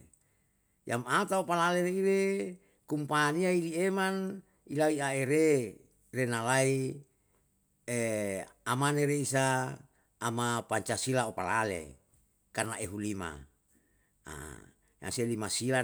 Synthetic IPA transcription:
jamat̪aopalaleɾeiɾe | kumpaniailieman | ilaiaeɾe | renalai | eamaneɾeisaː | mapaɲt͡ʃasilaopalalḛ | karnaeɦulima̰ | a̰ | ja̰ŋselimasila

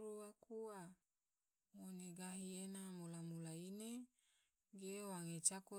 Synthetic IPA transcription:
ɾuwakʰuwa | ŋoneɡaɦienamolamulaine | ɡiewaŋet͡ʃakɔ

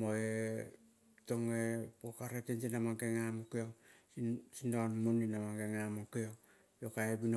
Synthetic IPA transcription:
moe | toŋepokaɾetensinamaŋkeŋamokeoŋ | sindonmuninamaŋɡeŋamokeo | jokaebino

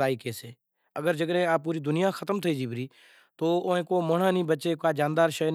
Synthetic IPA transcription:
aːiːkeːseː | əɡəɾd͡ʒəɡɽẽːaːp̚ːuːɾiːd̪ʊnɪjaːxʰət̪əmt̪ʰəiːd͡ʒiːbɾiː | t̪oːoːẽːkoːməɳãːnĩːbət͡ʃeːkːaːd͡ʒãːnd̪aːɾʃəːn

